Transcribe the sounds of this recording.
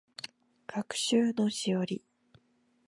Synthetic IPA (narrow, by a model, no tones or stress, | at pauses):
kʰakɯ̟̥ɕɨːno̞ɕijoɾʲi